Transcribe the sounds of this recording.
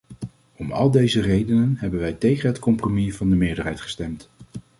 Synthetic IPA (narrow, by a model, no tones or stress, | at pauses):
ɔmɑ̰lˠdejzərejdənənɦɛbənʋɛjtejχənɦətkɔmpromivɑndəmɪːɹdəɹɦɛjtχə̥stɛmt